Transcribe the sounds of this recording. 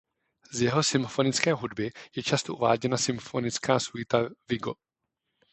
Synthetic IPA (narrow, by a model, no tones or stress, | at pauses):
zjɛɦo̞sɪmfo̞nɪt͡skɛːɦudbɪjɛt͡ʃast̪oʔuva̰ːɟɛnasɪmfo̞nɪt͡skaːsujɪt̪avɪɡo̞̰